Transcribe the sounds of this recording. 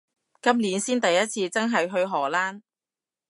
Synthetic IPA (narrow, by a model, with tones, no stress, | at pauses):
kɐ˥mliː˨˥nsiː˥nt̪ɐ˨jːɐ˥t̚t͡sʰiː˧t͡sɐ˥nɦɐ˨jɦɵ˧ɥɦɔː˨˩laː˥n